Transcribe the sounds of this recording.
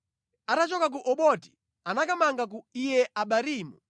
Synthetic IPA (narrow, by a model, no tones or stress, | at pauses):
atat͡ʃɔkak̬uʔɔɓɔti̥ | anakamaŋɡak̬uijɛʔaɓaɾiːmṵ